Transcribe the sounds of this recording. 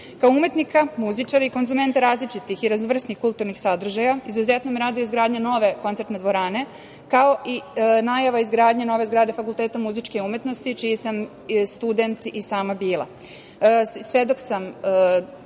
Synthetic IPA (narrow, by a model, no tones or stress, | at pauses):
kaoume̞t̪nikamuzit͡ʃaɾeiko̞nzume̞nt̪eɾaːzlit͡ʃit̪ixiɾaznoʋr̩snixkulˠt̪uɾnixsad̪r̩ʒajaizuzet̪nomiɾaːd̪ojizɡɾaːd̪ɲano̞ʋe̞ko̞nt̪seɾt̪ned̪ʋo̞ɾaːne̞ | kao̞ʔinajaʋaizɡɾaːd̪ɲano̞ʋeizɡɾaːd̪efakulˠt̪eːt̪amuzit͡ʃkeume̞t̪no̞st̪it͡ʃijesam | st̪ud̪e̞nt̪isaːmabiːlˠa̰ | sʋed̪o̞ksam